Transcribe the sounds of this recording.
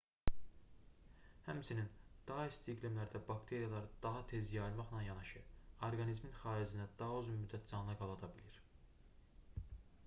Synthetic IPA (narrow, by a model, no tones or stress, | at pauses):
hæmsinind̪̥ɑɦɑist̪ʰiɡlemlæɾd̪æbɑkt̪ʰe̞ɾijɑlˠɑɾɯd̪ɑɦɑt̪ʰe̞zjɑilˠmɑχnɑnjɑnɑʃɯoɾɡɑnizminχɑːizinæd̪ɑɦøzunmyd̪ːæt̪̚zɑnnɑɡɑlˠɑd̪ɑbiliɾ